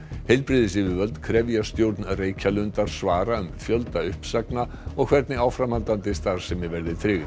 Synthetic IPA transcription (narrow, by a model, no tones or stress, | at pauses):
hejlpɾɪðɪsɪvɪvœlt̪kʰɾɛvjast̪jowɾt̪nreːjcʰalʏnt̪aɾ̥svaːɾaʏmfjœlt̪aʏhpsakna | ɔɣkʰv̥ɛɾt̪nɪawfɾamhant̪ant̪ɪst̪aɾ̥sɛmːɪvɛɾðɪt̪ʰɾɪɣ